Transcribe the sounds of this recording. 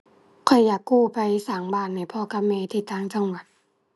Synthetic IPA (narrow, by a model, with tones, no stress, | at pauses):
kʰɔ˨˩jːaː˨˩kːuː˧˩pa˧jsaː˨˩˦ŋbaː˧˩nːa˧˩jpʰɔː˧˩ka˧mɛː˧t̪ʰiː˧˩t̪ʰaː˧˩ŋt͡ɕa˧ŋwa˨˩t̪̚